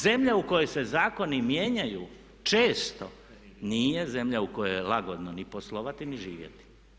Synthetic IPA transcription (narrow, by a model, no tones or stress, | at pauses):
ze̞mʎauko̞jojse̞zaːko̞nimje̞ːɲajuː | t͡ʃeːst̪o̞ | niːje̞ze̞mʎaukojojelˠaɡod̪noniposlˠoʋat̪iniʒiːʋjḛt̪i̥